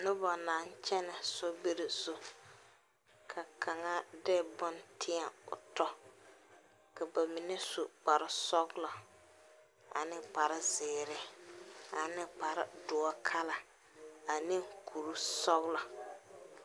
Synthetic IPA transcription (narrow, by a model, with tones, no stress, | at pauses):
nʊ˦bɔ˨naː˨˦n˦t͡ʃɛ˦nɪ˨sɔ˦be˦ɾɪ˨sʊ˨ | kʰa˨ka˨ŋa˦dɛː˦˨bɔ˦ntʰɪ˦a˨ʊ̰˨tɔ˦ | ka˨ba˨mɪ˨nɛ˦su˨k͡pa˨ɾɪ˦sɔ˦ɡlɔ˨ | a̰˨nɪ˦k͡pa˨ɾɪ˦zɪː˨ɾɪ˦ | a˨nɪ˦k͡pa˨ɾɪ̰˦dʊ˨ɔ˦kʰa˦la˨ | a˨nɪ˦ŋkʰu˨ɾu˦sɔ˦ɣla˨